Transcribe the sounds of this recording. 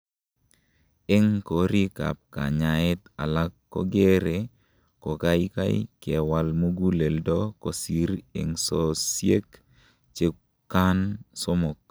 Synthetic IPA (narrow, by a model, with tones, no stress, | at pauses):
ɪ˦ŋko˨ɾi˦ka̰˨p̚ka̰˨ɲa˨ɪ˦t̪a̰˨la˦kːo̰˦ɡe˦ɾe˨ | ko˨ka˦jka̰˦jḭkɛ˨wa˨lmu˦ɡu˦le˨ldɔ˦ko˨si˨ɾɪ̰˨ŋso˨sje˦k | t͡ʃe˦ | kːa˦nso˦mo˨k̚